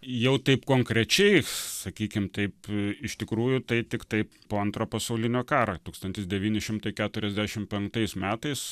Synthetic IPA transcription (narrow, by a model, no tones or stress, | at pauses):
jɛʊt̪ɐɪpkoːŋkɾʲɛt͡ʃʲɛɪsɐkʲiːkʲɪmt̪ɐɪpɪʃt̪ʲɪkɾuːjʊt̪ɐɪt̪ʲɪkt̪ɐɪppoːɐnt̪ɾoːpɐsɐʊlʲɪnʲoːkɑːɾɐt̪uːkst̪ɐnʲt̪ʲɪsd̪ʲɛʋʲiːnʲɪʃʲɪmt̪ɐɪkʲæːt̪ʊɾʲɛzʲd̪ʲæʃʲɪmpʲɛŋkt̪ɐɪsmʲæːt̪ɐɪs